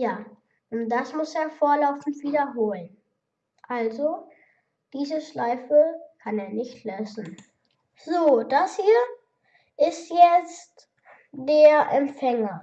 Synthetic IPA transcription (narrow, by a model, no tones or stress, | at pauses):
jaː | ʔʊnt̚d̥asmʊseːɐfoːɐlaʊfn̩tv̥iːdɐɦoːlən | ʔalzo | d̥iːzəʃlaɪfəkʰaneːɐnɪçtløsn̩ | z̥oːd̥ashiːɐ | ʔɪstjɛt͡st | d̥eːɐʔɛmfɛŋɐ